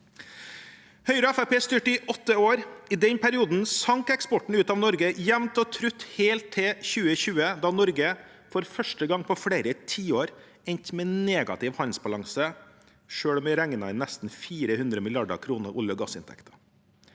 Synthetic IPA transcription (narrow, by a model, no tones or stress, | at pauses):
hœʏɾəɛfæpeːst̪yːʈəɪʔɔt̪ːəoːɾɪd̪ɛɲpʰæɾɪuːd̪n̩sɑŋkɛkspɔʈɳ̩ʉːt̪ɑːʋnɔɾɡəjæmt̪ɔt̪ʰɾʉt̪ːheːlt̪ʰːɛçʉːəçʉːəd̪ɑːnɔɾɡə | fɔɾfœʂʈəɡɑŋːpʰɔfɽeːɾət̪ʰiːoːɾ | ɛɲt̪mɛneːɡɑ̰t̪ɪʋhɑnsbɑlɑŋsə | ʂøːɽmɛɾɛŋːənɑɪnɛst̪n̩fiːɾəhʉnd̪ɾəmɪlɪɑɖə̰kʰɾuːnəɾʔʊ̰ljəɡɑsɪnt̪ʰɛ̰kt̪ʰə̥